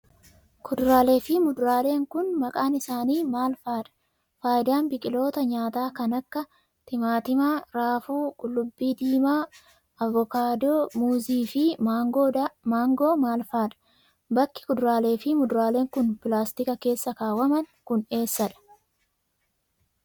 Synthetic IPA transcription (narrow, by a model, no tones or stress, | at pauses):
kʰʊd̪ɾaːle̞ːfɪmʊd̪ɾaːle̞ːŋkʊnmɐkʼaːnɪsaːniːmaːlfaːᶑɐ̥ | faːjd̪aːnbɪkʼɪlo̞ːt̪ɐɲaːt̪aːkɐnɐkːɐ | t̪ɪmaːt̪ɪmaːɾaːfuːkʼʊlːʊbːiːd̪iːmaː | ʔɐvɔkaːd̪oːmuːziːfɪɡomaːŋɡoːmaːlfaːᶑɐ̥ | bɐkːɪ̥kʊd̪ɾaːle̞ːfɪmʊd̪ʊɾaːle̞ːŋkʊnpɪlaːst̪ɪkɐke̞ːsːɐkaːwɐmɐnkʊne̞ːsːɐᶑɐ̥